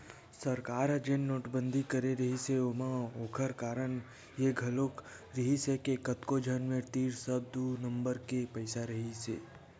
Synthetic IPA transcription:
səɾkaːɾɦəd͡ʒennoːʈbənd̪ʱikəɾeɾəɦiseomãokʰəɾkaːɾəɳ | jeɡʱɐlok | ɾəɦisekekət̪kod͡ʒʱənmẽɾt̪iːɾsəb̚d̪unəmbəɾkepəɪsaɾəɦisḛː

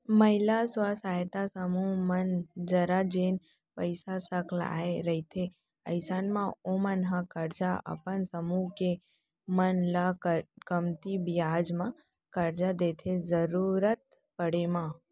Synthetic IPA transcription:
məɦɪlasʋasaːjt̪asəmumənd͡ʒəɾad͡ʒen | pəɪsasəkla̰ːeɾəit̪ʰe | əɪsaːnmãomənɦãkəɾd͡ʒaə̰pənsəmuke | mənlakɡəmt̪ibijad͡ʒmã | kəɾd͡ʒad̪et̪ʰezəɾuɾət̪̚ | pəɽemã

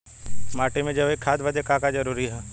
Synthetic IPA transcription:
maːʈemẽd͡ʒɐʋekʰːaːd̪ʋəd̪ekakad͡ʒɐɾuːɾiɦɛː

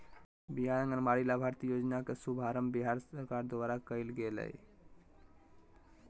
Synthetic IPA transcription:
biɦaɽəŋɡənmaɭilabʱaɾt̪iːjod͡ʒnakesubʱaɾəmbiɦaɾsəɾkaɾd̪ʋaɾakəilɡelə̰j

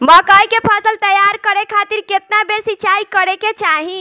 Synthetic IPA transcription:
məkəjkepʰəsəlt̪əjaɾkəɾekʰat̪iɾket̪nabeɾsiːt͡ʃaikəɾeket͡ʃaɦĩ

